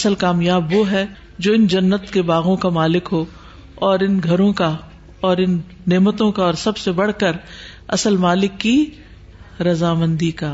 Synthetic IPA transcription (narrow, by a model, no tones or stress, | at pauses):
ɐsəlkaːmjaːbʋoɦɛ | d͡ʒoːɪnd͡ʒɐnːət̪kebaːɣõkamaːlɪkɦoː | ɔːɾɪnɡʱɐɾõka | ɔːɾɪnː | eːmət̪õkaɔːɾsɐbsebɐɽ̤kəɾ | ɐ̰səlmaːlɪkːi | ɾɐzaːmə̃nd̪ikaː